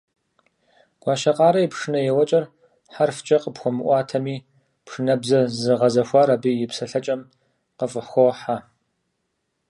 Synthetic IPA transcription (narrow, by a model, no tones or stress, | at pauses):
ɡ̥ʷɑːʃɐqʼɑːɾɐjipʂɨnɐjɛwɐt͡ʃʼɐr | ħarft͡ʃʼɐqəpxʷɔmɨʔʷɑːtʰɐmiː | pʂɨnɐbzɐzɨʁɐzɐxʷɑːɾaːbiːjɪpsɐɬɐt͡ʃʼɐm | qəfʼəħxʷɔħa